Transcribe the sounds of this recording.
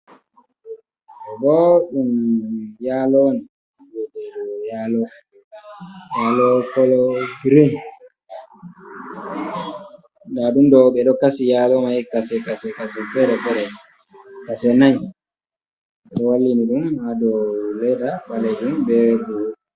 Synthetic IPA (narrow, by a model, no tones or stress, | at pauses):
ɛbɔɗumjalɔni | bɛdɛɗɔjalɔ | jalɔkɔlɔɡɾin | daɗumdɔɓɛɗɔkasijalɔmajikasɛkasɛkas̬ifɛɾɛbɛɾɛ | kasɛnaɲ | ɗɔwalːiniɗumhadɔlɛdaɓalɛɗumbɛbu